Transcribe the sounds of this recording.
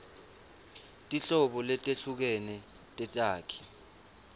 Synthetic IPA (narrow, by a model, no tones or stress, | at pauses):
tʼiɬɔɓɔlɛtʼeɬuk̬ɛnɛ | tʼɛtʼaːkʰi̥